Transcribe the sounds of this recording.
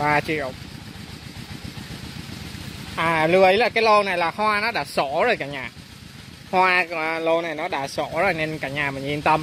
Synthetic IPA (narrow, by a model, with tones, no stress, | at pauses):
ɓaː˧t͡ɕḭ˧˨ə˨w | ʔaː˨˩lɨ˨˧˩əʔə˨˦jlaː˨˩kaː˨˦jlo˧na˨˩jlaː˨˩hwaː˧nɔ˨˦ɗa̰ː˧˥so˧˩˥zo˨˩jkaː˧˩ɲaː˨˩ | hwaː˧lo˧na˨˩jnɔ˨˦ɗa̰ː˧˥so˧˥zo˨˩jne˧nkaː˧˩ɲaː˨˩mï˨˩ŋ̟ʔi˧nt̪ə˧m